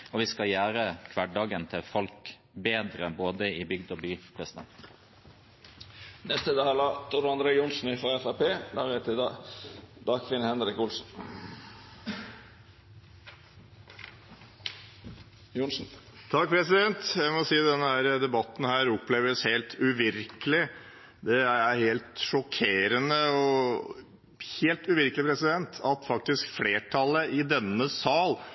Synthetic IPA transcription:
ɔʋɪskɑjæːɾəkʰʋɑɖɑːɡənt̪ʰɪlfɔlk | beːd̪ɾəboːd̪əɪbʏɡd̪ɔbyːpʰɾɛsɪd̪ɛ̰nt̪ | nɛst̪əd̪ɑːhɑlɑːt̪ʰʊɾɑnd̪ɾeːjʊnsn̩ɪfɾɑɛfæpeːd̪ɑːʁɛt̪ʰɪd̪ɑːd̪ɑːkʰʋɪnəhɛnɾɪkʊlsn̩ | junsn̩ | t̪ʰɑk̚ːpʰɾɛsɪd̪ɛnt̪jæɪmɔsiːd̪ɛnːəhæːɾəd̪ɛbɑt̪ːn̩hæːɾɔpːleːʋəsheːlt̪ʰʉʋɪɾkəlɪ | d̪ɛææɾheːlt̪ʂɔkʰeːɾənəɔ | heːlt̪ʉʋɪɾkəlɪpʰɾɛsɪd̪ɛnt̪ʰɑt̪fɑk̚t̪ɪskfleːʈʰɑləʔɪd̪ɛnːəsɑːl

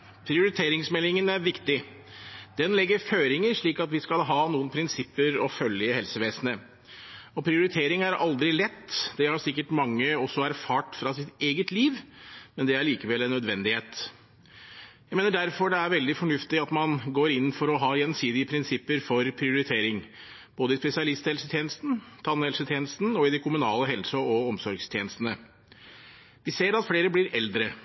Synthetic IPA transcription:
pʰɾɪʊɾɪt̪ʰeːɾɪŋsmɛlɪŋənæɾʋɪkt̪ɪ | d̪̥ɛnlɛɡːəɾføːɾɪŋəɾʂɭiːkɑt̪ʋɪskɑlɦɑːnuːənpʰɾɪnsɪpːəɾɔfœljəhɛlsəʋeːsnə | ɔpʰɾɪʊɾɪt̪ʰeːɾɪŋæɾɑ̰ld̪ɾɪlɛt̪ːd̪̥ɛhɑɾsɪkːəʈmɑŋːəɔsːɔæɾfɑːʈfɾɑsɪt̪eːɡət̪liːʋmɛnd̪ɛæɾɭiːkəʋɛlːɛnːœd̪ʋɛnd̪ɪheːt̪ | jæɪmeːnəɖæɾfɔɖɛæɾʋɛld̪ɪfɔɳʉft̪ɪɑt̪mɑnɡoːɾɪnːfɔɾɔɦɑːjɛnsiːd̪ɪəpʰɾɪnsɪpːəɾfɔɾpʰɾɪʊɾɪt̪ʰeːɾɪŋ | b̥oːd̪əɪspɛsɪɑlɪst̪hɛlsət̪ʰjeːnəst̪n̩t̪ʰɑnhɛlsət̪ʰjeːnəst̪n̩ɔɪd̪ɛkʰʊmʉnɑːləɦɛlsəɔɔmsɔɾɡst̪ʰjeːnəst̪ənə | ʋɪseːɾɑt̪fleːɾəblɪɾɛld̪ɾə

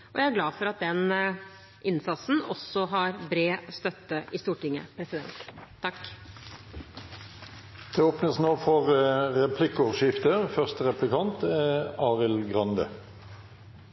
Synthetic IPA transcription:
ʔɔjæɪæɾɡlɑːfɔɾɑt̪̚d̪ɛn | ʔɪnsɑt̪sn̩ɔ̰sɔɦɑɾbɾeːst̪œt̪ːəʔɪst̪uːʈɪŋːə̰pʰɾɛsɪd̪ɛ̰nt̪ʰː | ɑk | t̪ʰɛoːpnəsnoːfɔʁʁɛpʰlɪkɔʁʃɪft̪əfœʁst̪əʁɛplɪkɑnt̪ɛɑːʁɪlɡʁɑnd̪ə̰

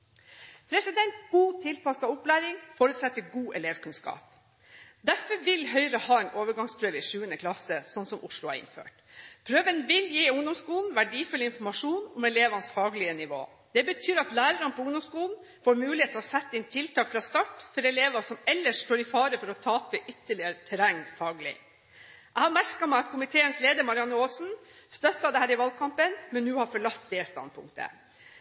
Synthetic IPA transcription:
pʰɾɛsɪd̪ɛnt̪ɡuːt̪ʰɪlpɑsɑʊplæːɾɪŋfɔɾʉt̪sɛt̪ːəɡuːʔɛleːʋkʉnskɑ̰ːp̚ | d̪æɾfɔɾʋɪlɦœʏɾəhɑːɛnʔoːʋəɾɡɑŋspʰɾøːʋɪʂʉːənəkʰlɑsəsɔnːsɔmʔʊʂɭʊæ̰ɾɪ̰nfø̰ːʈ | pʰɾøːʋənʋɪljiːʊŋd̪ɔmskuːln̩ʋæɖiːfʉlːəɪnfɔɾmɑʂuːnʊmɛleːʋɑnsfɑːɡlɪənɪʋo̰ː | d̪̥ɛbət̪ʰyːɾɑt̪læːɾəɾɑnpʰɔʊŋd̪ɔmskuːln̩ | foːɾmʉːlɪheːt̪ʰɔsɛt̪ːɪnt̪ʰɪlt̪ʰɑːkfɾɑːst̪ɑʈfɔɾɛleːʋɑsɔmɛlːəʂt̪oːɾɪfɑːɾəfɔɾɔt̪ʰɑːpəʔʏt̪ːəɭɪəɾt̪ʰɛɾɛŋːfɑːɡlɪ̰ | ʔæhɑmæɾkɑmæɪɑt̪kʰʊmɪt̪ʰeːənsleːd̪əɾmɑɾɪɑnːəoːsn̩ | st̪œt̪ːɑd̪ɛhæːɾɪʋɑlɡ̚kʰɑmpənmɛnːʉːhɑɾfɔɭɑt̪d̪ɛst̪ɑ̰nd̪̚pʰʊ̰ŋkt̪ə̰

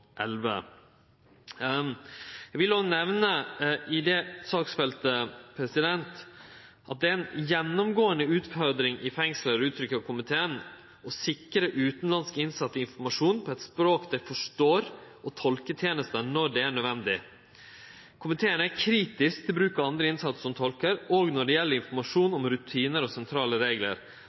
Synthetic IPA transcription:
ʔɛlʋə̰ | æɡʋɪlɔnɛʋnəɪd̪ɛsɑːksfɛlt̪əpʰɾɛsɪd̪ɛnt̪ | ʔɑt̪̚d̪ɛæɾɛnjɛnːɔmɡoːənəʉːt̪fɔɾd̪ɾɪŋʔɪfɛŋsləɾʉːt̪ʰɾʏkːəɑkʰʊmɪt̪ʰeːən | ɔsɪkɾəʔʉːt̪n̩lɑnskəɪnsɑt̪ːəɪnfɔɾmɑʂuːnpʰɔɛt̪spɾoːkd̪æɪfɔʂʈoːɾʔɔt̪ʰɔlkət̪ʰjeːnəst̪ənɔɖɛæɳœd̪ʋɛnd̪ɪ | kʰʊmɪt̪ʰeːənækʰɾiːt̪ɪskt̪ʰɪlbɾʉːkɑɑnd̪ɾəɪnsɑt̪sə̥sɔmt̪ʰɔlkəɾɔːɡnɔɖɛjɛlːəɾɪnfɔɾmɑʂuːnɔmɾʉt̪ʰiːnəɾɔsɛnt̪ʰɾɑːləɾeːɡlə̰ɾ

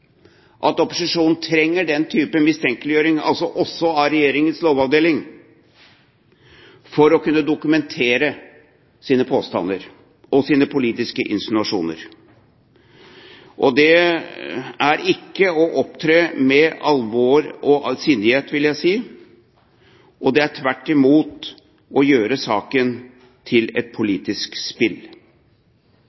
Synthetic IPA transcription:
ʔɑt̪ɔpʊsɪʂuːnn̩t̪ʰɾɛŋːəɖɛnt̪ʰyːpəmɪst̪ʰɛŋkəlɪjøːɾɪŋɑ̰lsɔʔɔsːɔɑɾɛjeːɾɪŋənsloːʋɑʋd̪eːlɪŋ | fɔɾɔkʉnːəd̪ʊkʉmɛnt̪ʰeːɾə | siːnəpʰoːst̪ɑ̰nəɾ | ʔɔsiːnəpʰʊliːt̪ɪskəʔɪ̰nsɪnʉɑʂṵːnə̰ɾ | ʔɔd̪ɛ | æɾɪkːəɔʔɔp̚t̪ʰɾeːmɛɑlʋoːɾɔʔ̪siːnd̪ɪheːt̪ʋɪljæɪsiː | ʔɔd̪ɛæʈʰʋæʈːɪmuːt̪ | ɔjøːɾəsɑːkən | t̪ʰɪlɛt̪̚pʰʊliːt̪ɪskspɪl

